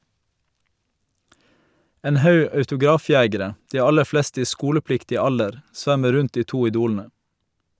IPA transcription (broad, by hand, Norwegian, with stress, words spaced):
ˈeːn ˈhɑʉ ɑʉtʊˈɡɾɑːˌfjeːɡəɾə ˈdiː ˈɑlə ˈflɛstə ˈiː ˈskuːləˌplɪktɪ ˈɑldəɾ ˈsʋæmə ˈɾʉnt ˈdiː ˈtuː ɪˈduːln̩ə